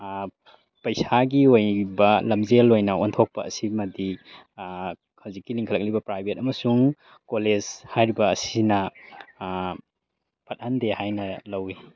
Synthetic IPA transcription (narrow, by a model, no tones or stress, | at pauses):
pɐjsaɡiojbɐlɐmzelːojnɐontʰok̚pɐɐ̰simɐdi | kʰawzik̚ːiliŋkʰɐlɐk̚libɐpɾajbʱet̚ɐmɐsuŋ | koled͡ʒhajɾibɐːsinɐ | pɐt̚handehajnɐlɐwi